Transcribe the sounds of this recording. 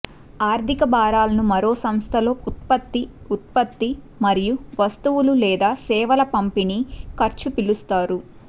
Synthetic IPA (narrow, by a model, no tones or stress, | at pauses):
aːɾd̪ʱikɐbaːɾaːlɐnumɐɾo̞ːsɐmst̪ʰɐlo̞ːʔut̪̚pɐt̪ːi | ut̪̚pɐt̪ːi | mɐɾijuʋɐst̪uwululɛːd̪aːsɛːʋɐlɐpɐmpinikɐɾt͡ʃupilust̪aːɾu